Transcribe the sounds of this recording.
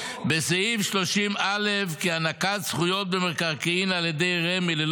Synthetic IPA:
bezeivʃloʃimalefkianakatsχujot̪̚bemeʁkaʁkiinaljed̪ejʁemilel

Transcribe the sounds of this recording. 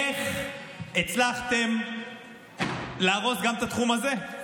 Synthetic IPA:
eχ | et͡slaχt̪e̞m | leaʁo̞sɡamt̪at̪χumaze̞

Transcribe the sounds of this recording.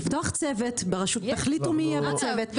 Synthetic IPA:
ft̪oaχt͡sevet̪beʁaʃut̪aχlitumijɛvat͡sevet

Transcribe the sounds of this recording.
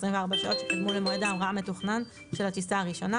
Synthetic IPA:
sʁimveaʁbaʃaʔo̞tt͡ʃekad̪mulemoed̪aːmʁaame̞tuχnan | ʃelhat̪isaaʁiʃo̞na

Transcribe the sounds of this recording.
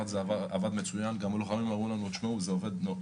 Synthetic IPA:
at̪zeavaavad̪me̞t͡sujanɡamoloχamimaʁulanut̪ʃmauzeove̞d̪no

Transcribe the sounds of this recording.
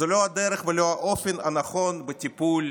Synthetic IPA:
zɛload̪ɛɾəχveloaʔofenanaχo̞nbətʲipulʲ

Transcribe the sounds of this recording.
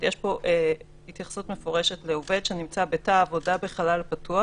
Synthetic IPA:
jeʃpo̞ʔe | hitjaχsutme̞fo̞ʁe̞ʃe̞tle̞ove̞dʃenimt͡sabetaːvo̞dabe̞χalalpatua

